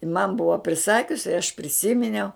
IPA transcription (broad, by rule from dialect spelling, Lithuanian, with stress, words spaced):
ɪn mɐn ˈbʊʋɐ pʲrʲɪˈsɑːkʲʊs ɪ ɐʃ pʲrʲɪˈsʲɪmʲɪnʲɛʊ